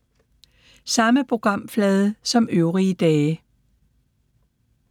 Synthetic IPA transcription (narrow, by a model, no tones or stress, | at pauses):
sɑ̈məpʰʁo̝ɡ̥ʁɑ̈m̰flɛːð̞ˠəsɒ̽møʊʁiəd̥ɛː